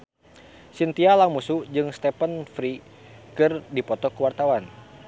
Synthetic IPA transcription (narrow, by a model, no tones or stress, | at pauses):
sint̪ialamusud͡ʒɨŋst̪ɛpənfɾi | kɨrdipɔt̪ɔkəwart̪awan